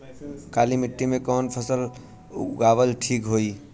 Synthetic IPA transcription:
kalimiʈːimekɔnpʰəsəl | ṵɡabəlʈʰikɦoi

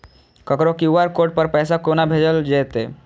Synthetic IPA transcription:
kəkɾokiuʋaɾkoːʈ̚pəɾpɛːsakonabʱeːd͡ʒəld͡ʒeːt̪e

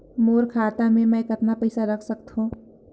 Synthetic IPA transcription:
moːɾkʰaːt̪amẽmɛ̃kɐt̪napɛɪsaɾɐkʰsɐk̚t̪ɦũ

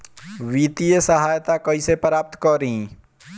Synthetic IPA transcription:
ʋiːt̪ijəsəɦaːjt̪akɐisepɾaːp̚t̪kɔɾɦĩ

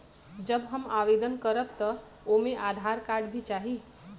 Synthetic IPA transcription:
d͡ʒəbɦəmaʋed̪ənkəɾəb̚t̪ə | omẽʔad̪ʱaɾkaɾɖbʱit͡ʃaɦi

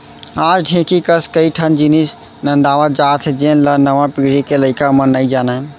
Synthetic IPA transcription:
ad͡ʒɖʱẽkikəskəiʈʰənd͡ʒinis | nə̃nd̪aʋəd͡ʒat̪ʰd͡ʒenlənəʋãpiɽikeləɪkamənəid͡ʒanan

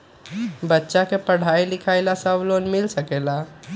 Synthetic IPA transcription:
bətːʃakepəɽ̤aːilɪkʰaːɪlasəbloːnmɪlsəkeːla

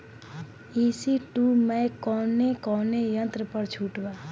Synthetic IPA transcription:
isiʈumekɔːnekɔnejə̃nt̪ɾəpəɾt͡ʃʰuʈba

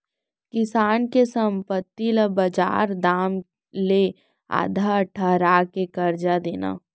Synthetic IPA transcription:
kɪsaːnkesɐ̃mpət̪ːiləbɐd͡ʒa̰ːɾd̪aːm | le | a̰ːd̪ʱaʈʰɐɦɾaːkekɐɾd͡ʒad̪eːna̰ː

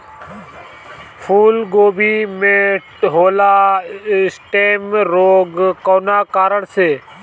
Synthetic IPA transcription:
fʰuːlɡoːbʱiːmẽː | ɦoːlaː | sʈeːmɾoːɡkoːnaːkaːɾəɽseː

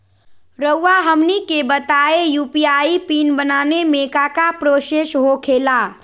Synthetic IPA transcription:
ɾəuːaɦəmnikebət̪aːejuːpiaːipiːnbənaːnemekakapɾoːʃeʃɦokʰeːla

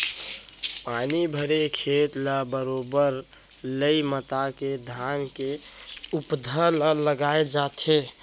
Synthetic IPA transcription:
paːnibʱəɾekʰet̪labəɾobəɾ | ləimət̪aked̪ʱankeupd̪ʱələləɡaːed͡ʒat̪e

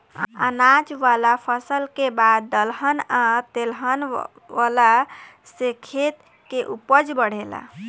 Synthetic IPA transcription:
a̰nad͡ʒʋalapʰəsəlkebad̪ːəlɦənat̪elɦən | ʋala | sekʰet̪ | keʔupəd͡ʒbəɽ̤ela̰

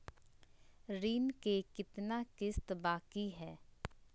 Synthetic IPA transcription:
ɾiːnkekɪt̪nakɪst̪baːkiɦɛː

